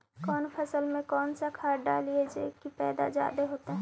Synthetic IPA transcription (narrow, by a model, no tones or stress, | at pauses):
kɔːnpʰəsəlmẽkɔːnsakʰaːɾɖa̰ːlied͡ʒekipɛːd̪a̰d͡ʒa̰ːd̪eɦoːt̪eɦɛ̃